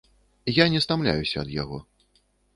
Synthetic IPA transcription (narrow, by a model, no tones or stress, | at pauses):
janʲɛst̪amlʲa̰jusʲɐːd̪ja̰ɣɔ